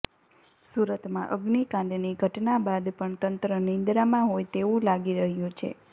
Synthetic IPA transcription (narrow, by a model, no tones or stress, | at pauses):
suɾət̪mã̰ʔəɡnikãnɖ̪niɡʱəʈnabad̪pəɳt̪ənt̪ɾənĩnd̪ɾamãɦojt̪eũlaɡiɾəɦjũt͡ʃʰḛ